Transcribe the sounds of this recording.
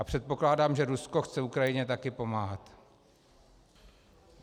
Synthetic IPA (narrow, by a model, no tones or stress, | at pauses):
ʔapr̝̥ɛt̪̚po̞klaːdaːmʒɛɾusko̞xt͡sɛukɾajɪɲɛt̪akɪpo̞maːɦat̪